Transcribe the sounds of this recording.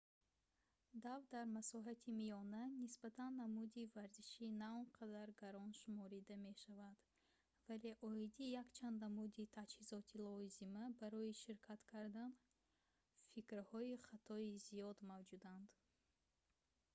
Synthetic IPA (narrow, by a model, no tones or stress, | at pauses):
d̪avd̪aɾmasɔɦat̪ʰimijɔnanisbat̪ʰanːamud̪ivaɾziʃinaɔnqʰad̪aɾɡaɾɔnʃumɔɾid̪ame̞ʃavad̪̥ | vale̞ʔɔid̪ijakt͡ʃʰand̪namud̪it̪ʰad͡ʒhizɔt̪ʰilɔzimabaɾɔiʃiɾkʰat̪kʰaɾd̪an | fikɾhɔiχat̪ʰɔizijɔd̪mavd͡ʒud̪and̪